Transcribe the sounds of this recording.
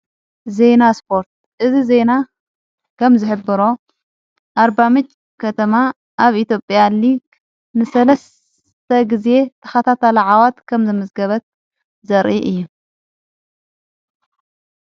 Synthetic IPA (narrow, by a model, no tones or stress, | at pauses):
ze̞naspʰo̞ɾt̪̚ | ʔɨzize̞na | kʰɐmzɨħɨbːɨɾo̞ | ʔaɾbamɨt͡ʃʼ | kʰɐt̪ʰɐma | ʔaβit̪ʰjo̞pʼjaliɡ | nɨsɐlɐs | t̪ʰɐɡize̞t̪ʰɐ̥xɐt̪ʰat̪ʰalɐʕawat̪kʰɐmzɨmɐzɡɐβɐt̪̚ | zɐɾʔiʔɨjːu